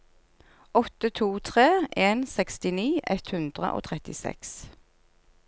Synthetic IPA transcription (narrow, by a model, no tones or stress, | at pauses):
ɔt̪ət̪ʰuːt̪ʰʁeːʔeːnsɛkst̪ɪniːʔɛt̪hʉnd̪ʁə̰ʔo̰ːt̪ʰʁɛt̪ɪsɛ̰ks